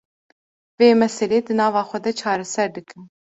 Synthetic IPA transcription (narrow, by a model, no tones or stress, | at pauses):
veːmɛsɛleːd̪ɨnɑːvɑːxʷɛd̪ɛt͡ʃʰɑːɾɛsɛɾd̪ɨkɨn